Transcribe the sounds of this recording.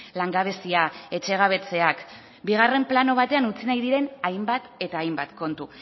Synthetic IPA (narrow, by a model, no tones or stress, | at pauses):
laŋɡaβ̞e̞siae̞t͡ʃe̞ɣ̞aβ̞e̞t͡se̞ak | biɣ̞are̞mplano̞β̞at̪e̞anut͡sinajðiɾe̞najmbat̪e̞t̪aːjmbat̪ko̞nt̪u